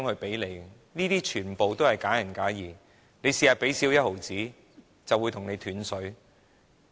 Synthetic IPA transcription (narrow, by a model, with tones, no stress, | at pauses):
ŋhɵ˧pe˨˥jle˨˧j | niː˥t̪iː˥t͡ʃʰyː˨˩npo˨˧wt̪o˥whɐ˨jkaː˨˥jɐ˨˩nkaː˨˥jiː˨ | ne˨˧jsiː˨ha˨˧pe˨˥jsiː˨˥wjɐ˥t̚ho˨˩wt͡siː˨˥ | t͡sɐ˨wːu˨˧jt̪ʰʊ˨˩ŋne˨˧jt̪ʰyː˨˧˥nsɵ˨˥ɥ